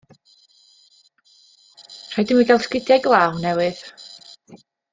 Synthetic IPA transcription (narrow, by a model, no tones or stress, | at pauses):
r̥ajdɪmwiɡalˠskɪdjajɡlˠaːwnɛwɪð̥